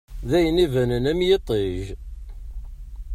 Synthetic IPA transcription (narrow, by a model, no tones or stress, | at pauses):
ðæjənivænənæmjet̪ˤːeʒ